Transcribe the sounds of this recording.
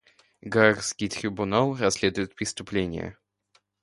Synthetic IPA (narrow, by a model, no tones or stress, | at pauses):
ɡarskʲit̪ɾʲɪbunalˠrasʲlʲed̪ʊjɪt̪̚pɾʲɪst̪ʊplʲenʲɪ̰jə̰